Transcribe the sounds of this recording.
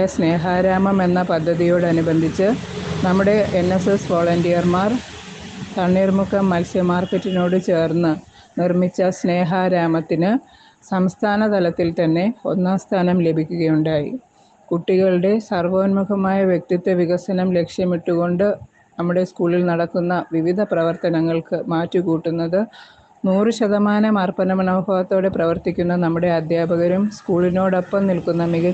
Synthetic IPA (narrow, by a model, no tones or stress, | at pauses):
ɐsne̞ːɦaːɾaːmɐme̞nːɐpɐd̪ʱːɐðijo̞ːɽɨɐnubɐnd̪ʱit͡ɕːɨnɐmːuɽe̞ʔenːesesʋo̞ːɭɐndijɐrmaːr | t̪ɐɳːiːrmukʰɐmːɐlsjɐmaːrkːɐtːino̞ːɽɨt͡ɕe̞ːrnːɨ | nirmit͡ɕːɐsne̞ːɦaːɾaːmɐt̪ːinɨ | sɐmst̪ʰaːnɐt̪ɐlɐt̪ːilt̪ɐnːe̞o̞̰nːaːst̪ʰaːnɐmle̞bʱikʲːuɣɐjuɳɖaːjḭ | kuʈːiɣɐɭɽe̞sɐrʋoːnmukɐmaːjɐʋjek̚t̪it̪ːeʋiɣɐsɐnɐmle̞kʂjɐmiʈːuɣo̞ɳɖɨ | nɐmːuɽe̞skuːɭilnɐɽɐkːunːɐʋiʋid̪ʱɐprɐʋɐrt̪ɐnɐŋːɐɭkɨmaːtːukuːʈːunːɐðɨ | nuːrɨɕɐðɐmaːnɐmɐrpɐnɐmɐnɐːbʱɐʋɐt̪ːo̞ːɽe̞prɐʋɐrt̪ikʲːunːɐnɐmːuɽe̞ɐd̪jaːbʱɐɣɐɾumskuːɭino̞ːɽopːɐmnilkunːɐmiɣɐ